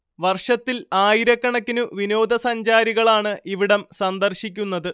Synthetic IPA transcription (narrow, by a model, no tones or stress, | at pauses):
ʋɐrʂɐt̪ːilaːjiɾɐkːɐɳɐkːinuʋino̞ːd̪ʱɐsɐɲd͡ʑaːɾiɣɐɭaːɳɨʔiʋiɽɐmsɐnd̪ɐrɕikʲːunːɐðɨ